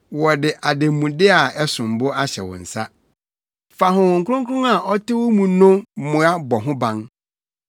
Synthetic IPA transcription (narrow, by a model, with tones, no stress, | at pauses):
wɔ˨dɪ˨ʔa˨de˨mũ˨dɪ˦a˨ɛ˦sʊ̃˨m̩˨bʊ˦a˦ɕɛ̰˨wɔ̰̃˨n̩˨sa˦ | fa˨ɦʊ̃˨wʊ̃˨ŋ̩˨kʊ˦ʊ̃˦ŋkʰʊ˦ʊ̃˦a˨ʔɔ˦tʰɪ˦wɔ˦mũ˨nʊ̃˦mʊ̃˨˦a˦bɔ˨ɦʊ̃˦bã˦ŋ